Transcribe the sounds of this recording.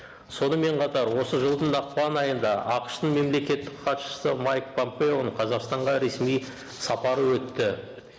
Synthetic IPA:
so̞nəme̞ɴqʰɑt̪ɑɾwo̞səʒəlˠd̪ənɑq̚pɑnɑjənd̪ɑʔɑqə̥ʃt̪əɴme̞mle̞kʲe̞t̪ːɪkqʰɑt̪ʃə̥səmajk̚pʰo̞mpe̞o̞nqʰɑzɑqst̪ɑɴʁɑɾe̞smij | sɑpɑɾəwɵt̪ːɪ

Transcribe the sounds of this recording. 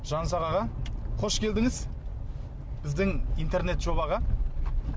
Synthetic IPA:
ʒɑnsɑʁɑʁɑqʰo̞ʃkʲʰe̞ld̪ɪŋɪz | b̥ɪzd̪ɪŋijnt̪e̞ɾne̞t̪ʒo̞βɑʁɑ

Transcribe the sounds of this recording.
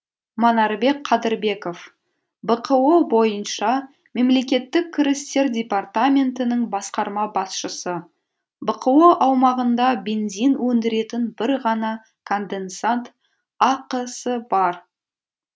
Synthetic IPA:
mɑnɑɾbe̞k̚qʰɑd̪ɪɾbe̞ko̞f | bəqʰəwobo̞jənʃɑ | me̞mle̞kʲe̞t̪ːɪkʲʰːɪɾɪst̪e̞ɾdʲe̞part̪amʲe̞nt̪ɪnəɴbɑsqɑɾmɑbɑsʃəsə | bəqʰəwoʔɑwmɑʁənd̪ɑbe̞nzinwɵnd̪ɪɾe̞t̪ɪnbɪɾʁɑnɑ | kʰo̞nd̪e̞nsant̪ | ɑqəsəbɑɾ

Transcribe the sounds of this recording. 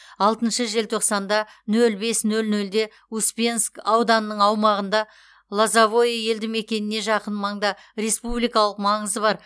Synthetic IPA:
ɑlˠt̪ənʃəʒe̞lt̪ʰo̞qsɑnd̪ɑ | nɵlbe̞snɵlnɵld̪e̞ | uspʲenskɑwd̪ɑnənːəɴɑwmɑʁənd̪ɑ | lˠazavo̞jaje̞ld̪ɪme̞kʲe̞nɪne̞ʒɑqənmɑɴd̪ɑ | ɾe̞spublijkɑlˠəqmɑɴəzəbɑɾ

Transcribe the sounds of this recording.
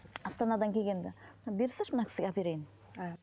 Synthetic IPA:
ɑst̪ɑnɑd̪ɑŋkʲʰeɡʲe̞nd̪ɪnɑbeɾsɪʃmənɑkʲʰɪ̥sɪɡʲeapiɾejɪn

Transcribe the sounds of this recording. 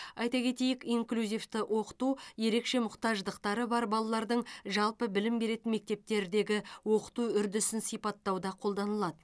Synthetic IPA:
ɑjt̪ɑkʲʰe̞t̪e̞jɪkiŋklʲuzijft̪ɪʔwʔo̞qə̥t̪uje̞ɾe̞kʃe̞mʊqt̪ɑʒd̪əqt̪ɑɾəbɑɾbɑlˠɑlˠɑɾd̪əɴʒɑlˠpəbɪlɪmbe̞ɾe̞t̪ɪnme̞k̚t̪e̞p̚t̪e̞ɾd̪e̞ɡʲɪwo̞qə̥t̪uʏɾd̪ɪsɪnsijpɑt̪ːɑwd̪ɑqʰo̞lˠd̪ɑnəlˠɑd̪ə

